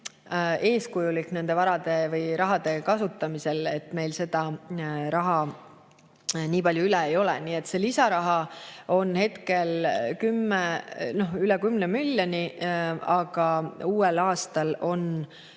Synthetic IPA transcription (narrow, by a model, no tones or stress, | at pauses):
e̞ːskujulikːne̞nd̪̥e̞vɑɾɑd̪̥e̞vɤjɾɑɦɑd̪̥e̞kɑsut̪ːˑɑmise̞le̞t̪ːme̞jlse̞d̪̥ɑɾɑɦɑ | niːpɑlʲjuylɛejo̞lɛ̰niːe̞t̪ːse̞lisɑɾɑɦɑo̞nhe̞t̪ke̞lkymːeno̞hylɛkymnemylʲːonʲiɑɡ̥ɑuːelɑːst̪ɑlo̞n